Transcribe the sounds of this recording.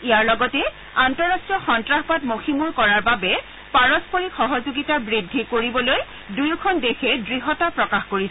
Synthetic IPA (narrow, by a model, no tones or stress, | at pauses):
ijaɹlɔɡɔtɛ | antɔɹastɹijɔxɔntɹaxpatmoximuɹkɔɹaɹbabɛ | paɹɔspoɹixɔɦɔzoɡitabɹidʱːikoɹibɔloj | dujukʰɔndexɛdɹiɦɔtapɹɔkaxkoɹis